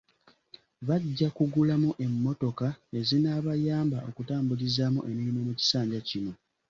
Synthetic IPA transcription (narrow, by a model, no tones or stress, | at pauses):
βaɟːakuɡulamuʔe̞mːo̞to̞kae̞zinaβajaːmbaʔo̞̰kutaːmbulizaːmuʔe̞niimomuci̥saːɲɟacino̞